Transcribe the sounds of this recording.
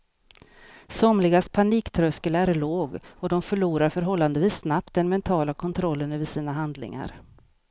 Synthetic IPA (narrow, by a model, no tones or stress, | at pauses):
sɔmlɪɡaspʰaniːkt̪ʰɾœskəlæɾɭoːɡɔd̪ɔmfœɭuːɾaɾfœɾɦɔlːand̪əviːsːnap̚t̪̚d̪ɛnmɛnt̪ʰɑːlakʰɔnt̪ʰɾɔlːənɵvɪsiːnaɦand̪lɪ̰ŋa̰ɾ